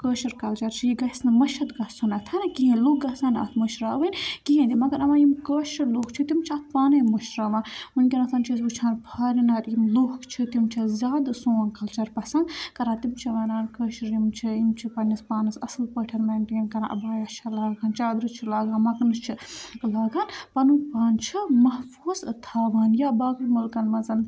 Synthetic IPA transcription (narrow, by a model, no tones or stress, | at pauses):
kəːʃiɾkɐlt͡ʃɐɾt͡ʃʰijiɡɐsnɨmɐʃɐt̪ɡɐsunɐt̪ʰɐnɐkiɦẽnluːk̚ɡɐsaːnɐ̰t̪ʰmuʃɾaːʋɨnʲkiɦẽːnd̪ʲimɐɡɐɾɐʋãːjimkəːʃɐɾloːkt͡ʃʰit̪imt͡ʃʰɐt̪ʰpaːnɐmuʃɾaːʋãːmunkʲinɐt̪ʰɐnt͡ʃʰis̬ut͡ʃʰãːnpʰɐːɾinaːɾimloːkt͡ʃʰit̪imt͡ʃʰɐzʲaːd̪soːnkɐlt͡ʃɐɾpɐsɐ̃nkɐɾaːt̪imt͡ʃʰiʋɐːnaːnkəːʃɾimt͡ʃʰiimt͡ʃʰipɐnispaːnɐsɐslpəːʈʰɐnmɐːnʈeːnkɐnã̰ʔɐ̰baːjɐʃɐlaːɡaːnt͡ʃaːd̪ɾɨt͡ʃʰilaːɡaːnmɐknɨt͡ʃʰilaːɡaːnpɐnupaːnt͡ʃʰimɐhfuːzt̪ʰaːʋaːnjabaːkɨmulkɐnmɐzɐn